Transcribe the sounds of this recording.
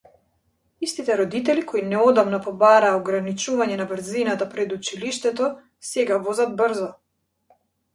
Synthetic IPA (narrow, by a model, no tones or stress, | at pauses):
ist̪it̪ɛɾɔd̪it̪ɛlikʰɔinɛɔd̪amnɔpɔbaɾaːɔɡɾanit͡ʃuvaɲɛnabr̩zinat̪apɾɛd̪ut͡ʃiliʃt̪ɛt̪ɔ | sɛɡavɔzad̪̚br̩zɔ